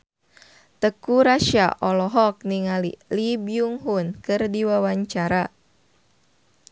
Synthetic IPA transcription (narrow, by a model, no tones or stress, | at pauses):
t̪əkuɾaʃa̰ʔɔlɔɦɔk̚niŋalilibjuŋɦunkɨrdiwawaɲt͡ʃaɾa